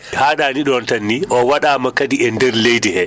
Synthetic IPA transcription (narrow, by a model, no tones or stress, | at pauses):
haːɗaːniɗɔntanːiʔɔwaɗaːmakːadiɛndɛɾlejdihɛ